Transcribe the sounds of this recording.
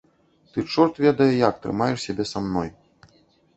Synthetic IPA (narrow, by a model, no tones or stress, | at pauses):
t̪ɨt͡ʂɔrt̪vʲɛd̪ɐjɛjak̚t̪ɾɨ̰majɛʂsʲabʲɛsamnɔj